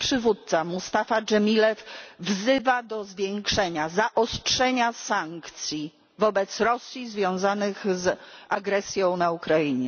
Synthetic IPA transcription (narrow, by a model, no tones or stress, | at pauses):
pʂɘvut̪̚t̪samust̪afad͡ʐɛmʲilɛfvzɘvad̪ɔzvʲjɛŋkʂɛɲazaʔɔstʂɛɲasaŋkt̪sʲji | vɔbɛt̪sɾɔsʲjizvʲjɔ̃w̃zanɘxzʔaɡɾɛsʲjɔ̃w̃naukɾaiɲɛ